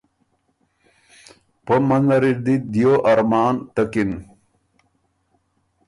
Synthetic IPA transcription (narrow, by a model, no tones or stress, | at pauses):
pəmɐnzɐɾiɾd̪id̪ijoʔɐɾmaːnt̪ɐkin